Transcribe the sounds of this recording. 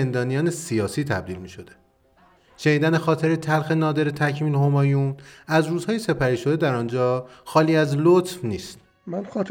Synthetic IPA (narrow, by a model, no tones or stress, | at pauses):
end̪ɒːnijɒːnesijɒːsiːt̪ʰæ̰b̚d̪iːlmiːʃo̞d̪e̞ | ʃeniːd̪ænexɒːt̪ʰe̞ɾet̪ʰælxe̞nɒːd̪e̞ɾet̪ʰæcʰmiːlhomɒːjunæzɾuːzhɒːjese̞pʰæɾiːʃo̞d̪ed̪æɾɒːnd͡ʒɒːxɒːliːæzlot̪fniːst̪ | mænxɒːt̪